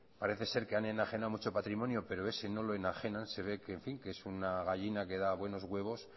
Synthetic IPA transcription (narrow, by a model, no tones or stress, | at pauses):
paɾe̞θe̞se̞ɾke̞ane̞naxe̞nawmut͡ʃo̞pat̪ɾimõ̞njope̞ɾo̞e̞se̞no̞lo̞e̞naxe̞nanse̞β̞e̞keɱfiŋkeesunaɣaʎinake̞ðaβwe̞no̞zɣwe̞β̞o̞s